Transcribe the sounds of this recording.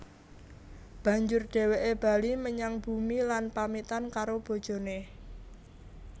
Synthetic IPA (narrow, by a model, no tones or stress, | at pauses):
b̥ä̤ɲd͡ʒʊrɖ̥e̤weʔeb̥a̤liməɲaŋb̥ṳmilanpamit̪ankaɾob̥o̤d̥ʒ̥o̤ne